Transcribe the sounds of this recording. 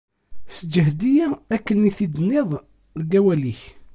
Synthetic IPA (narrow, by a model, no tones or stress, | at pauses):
səd͡ʒəɦd̪ijæækːənːiθid̪ənːeðˤ | lɡæwæliç